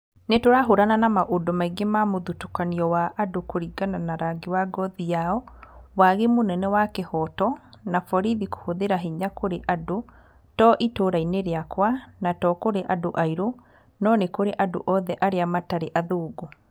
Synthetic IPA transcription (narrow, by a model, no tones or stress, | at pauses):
netoɾaɦoɾananamaʔodɔmaiɡemamoðutukaniɔwaʔadokoɾiɡananaɾaɡewaɡɔðiaɔwaɣemonɛnɛwakehɔtɔnafɔɾiðiko̥hoðeɾaɦiɲakoɾeʔado | tɔʔitoɾaineɾeakwanatɔkoɾeʔadoʔaiɾo | nɔnekoɾeʔado̰ʔɔðɛʔaɾeamataɾeʔaðoːɡo